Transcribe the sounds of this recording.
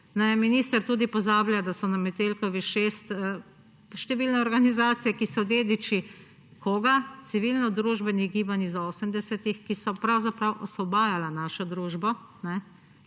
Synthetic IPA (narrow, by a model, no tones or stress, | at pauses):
nɛjminiːst̪əɾt̪uːd̪ipɔzaːbljad̪asɔnamɛt̪elkɔʋiʃeːst̪ə | ʃt̪ɛʋilnɛɔɾɡanizaːt̪sijɛkisɔd̪eːd̪it͡ʃi | koːɡat̪siʋilnɔd̪ɾuːʒbɛniɡiːbanizoːsəmd̪ɛsɛt̪ixkisɔpɾawzapɾawʔɔsɔbaːjalanaːʃɔd̪ɾuːʒbɔ | nɛ